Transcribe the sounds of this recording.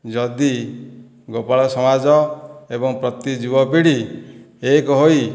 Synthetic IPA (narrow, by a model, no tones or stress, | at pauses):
d͡ʒɔd̪i | ɡopaɭɔsɔmad͡ʒɔebɔŋpɾɔt̪ːid͡ʒuwɔpiɽi | ekɔɦoj